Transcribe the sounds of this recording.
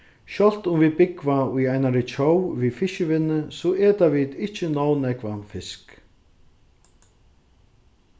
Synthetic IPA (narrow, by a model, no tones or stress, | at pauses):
ʃɔl̥t̪ʊmviðpɪkvaujaːjnaɾɪt͡ʃʰowviðfɪʃʏvɪnːʏsɔʔɛːt̪avit̪ɪht͡ɕːɪnaːwnɛkvafɪsk